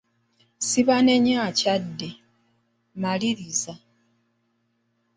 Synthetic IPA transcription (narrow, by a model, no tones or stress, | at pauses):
siβane̞ɲaːcadːe | maliɾiza